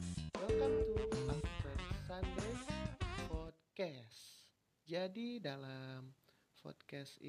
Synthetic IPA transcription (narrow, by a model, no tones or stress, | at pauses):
wɛlkamt̪ulasfɛtsandɾɛspɔt̪̚kɛs | d͡ʒadidalam | fɔ̰t̪̚kɛsḭ